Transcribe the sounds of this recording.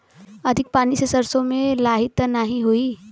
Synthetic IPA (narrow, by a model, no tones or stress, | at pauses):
ɐd̪ʱɪk̚paːnisesɐɾsõmẽlaːɦɪt̪naɦĩɦuiː